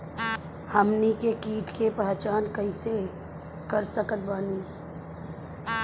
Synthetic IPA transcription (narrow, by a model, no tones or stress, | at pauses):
həmnikekiːʈkepɛɦt͡ʃaːnkəɪse | kəɾsəkət̪̚baːniː